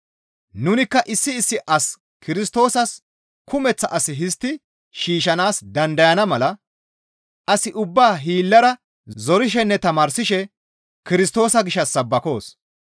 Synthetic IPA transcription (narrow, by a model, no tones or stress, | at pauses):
nʊnɪkːɐʔɪsːɪːsːɪʔɐs | kɪɾɪs̬t̪o̞ːsɐs | kʊmɛt͡sːɐʔɐsɪɦɪst̪ːɪ | ʃiːʃ̬ɐnaːsd̪ɐnd̪ɐjɐnɐmɐlɐ | ʔɐsɪʔʊbːaːɦiːlːɐɾɐ | zɔɾɪʃ̬ɛnːɛt̪ɐmaːɾsɪʃɛ | kɪɾɪst̪o̞ːsɐɡɪʃːɐsːɐbːɐko̞ːs